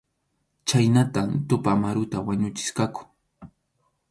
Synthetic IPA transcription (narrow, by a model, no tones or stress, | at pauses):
t͡ʃajnat̪amt̪ʊpamaɾʊt̪awaɲʊt͡ʃɪ̥ʃkakʊ̥